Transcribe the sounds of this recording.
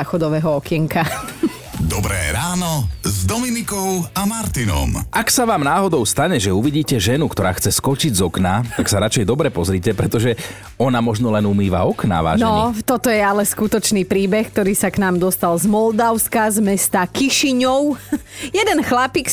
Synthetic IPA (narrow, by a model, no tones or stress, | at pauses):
axɔd̪ɔʋɛɦɔɔkɪɛŋka | d̪ɔbɾɛ̰ːɾaːnɔzd̪ɔminikɔʊamaɾt̪inɔ̰maksaʋaːmnaːɦɔd̪ɔʊst̪aɲɛʒɛuʋiɟiːcɛʒɛnukt̪ɔɾaːxt͡sɛskɔt͡ʃiɟzɔknat̪aksaɾat͡ʃɛjd̪ɔbɾɛpɔzɾiːcɛpɾɛt̪ɔʒɛ | ɔnamɔʒnɔlɛnumiːʋa̰ɔkna̰ʋa̰ːʒnɔt̪ɔt̪ɔjɛalɛskut̪ɔt͡ʃniːpɾiːbɛxk̚t̪ɔɾiːsaknaːmd̪ɔst̪alzmɔld̪aʊskazmɛst̪akiʃiɲɔʊ | jɛd̪ɛnxlapik